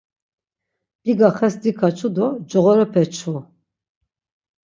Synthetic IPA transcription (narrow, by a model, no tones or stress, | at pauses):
b̥iɡaχɛsd̪ikʰat͡ʃʰud̪ɔd͡ʒɔʁɔɾɛpʰɛt͡ʃʰu